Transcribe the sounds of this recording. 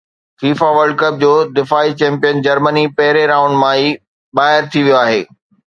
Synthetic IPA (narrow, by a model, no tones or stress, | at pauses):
fiːfaʋəɾɖ̚kəp̚d͡ʑoːd̪ɪfaːit͡ɕɛ̃ːmpijənd͡ʑɐɾmənipɐɦɪɾeɾãːʊ̃ɳɖmãiː | ɓaːɦɪɾt̪ʰiʋijoaːɦeː